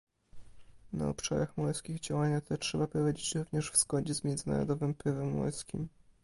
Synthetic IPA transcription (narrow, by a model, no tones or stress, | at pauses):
na̰ɔ̰pʂa̰ɾaxmɔjskʲiɣd͡ʑawaɲat̪ʰɛtʂɛbapɾɔvad͡ʑet͡ɕɾuvɲɛʂvz̥ɡɔd͡ʑɛzmʲjɛnd̪zɘna̰ɾɔ̰d̪ɔvɘmpɘvɛmːɔ̰jskʲḭm